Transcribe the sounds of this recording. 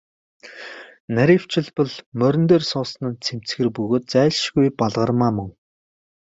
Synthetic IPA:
næɾʲĭw̥t͡ɕʰɪ̆ɮpə̆ɮmœɾʲɵ̆nt̪eːrsʊːsnə̆nt͡sʰem̥t͡sxɘ̆rpɵɣoːt̪̚t͡sæːɮʃɣujpaɮʁə̆rmaːmɵ̆ŋ

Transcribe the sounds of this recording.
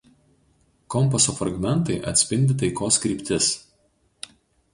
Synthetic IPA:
kɔmˑpɐsoːfɾɐɡmʲɛnˑt̪ɐɪʔɐ̰t̪ʲsʲpʲɪnʲd̪ʲɪt̪ɐɪkoːskɾʲiːpʲt̪ʲɪs

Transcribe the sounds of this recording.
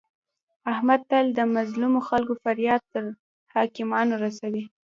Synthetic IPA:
ahmad̪̚t̪ald̪əmazlumoxalkofaɾjɑd̪̚t̪ːəɾ | hɑkɪmɑnoɾasawi

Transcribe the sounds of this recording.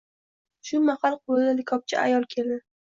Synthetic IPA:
ʃʊmaqɑlˠq̚ʰolɪd̪alɪkʰɒp̚t͡ʃʰɪ̰ʔa̰jɒlˠkʲʰeld̪ɪ

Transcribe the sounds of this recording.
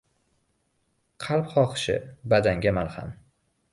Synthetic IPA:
qʰɑlˠpχɒqɨ̥ʃɪ̰bad̪aŋɡʲamalha̰m

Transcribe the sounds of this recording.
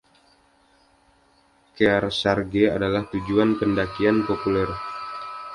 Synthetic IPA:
kɛrsarɡeadalaht̪ud͡ʒuanpəndakianpopulɛr

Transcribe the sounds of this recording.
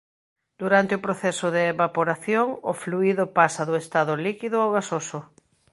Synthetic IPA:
d̪uɾant̪eʊpɾoθɛsʊðɪːβapoɾaθjoŋʊ̰fluiðʊpasaðʊest̪aðʊlikiðʊoɣasosʊ

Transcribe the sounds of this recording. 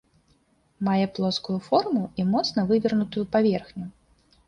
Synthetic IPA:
majɛplˠɔskujufɔrmuimɔt̪snɐvɨvʲɐrnut̪ujupavʲɛrxnʲu

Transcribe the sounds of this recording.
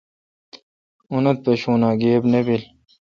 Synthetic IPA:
unɐt̪̚peɕuːnaːɡeːbnebil

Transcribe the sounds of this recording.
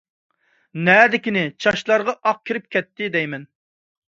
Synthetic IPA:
nɛd̪ɪkʲinɪt͡ʃʰɑʃlˠɑɾʁɑʔɑq̚kʲʰiɾɪp̚kʲɛt̪ːɪd̪ɛjmɛn

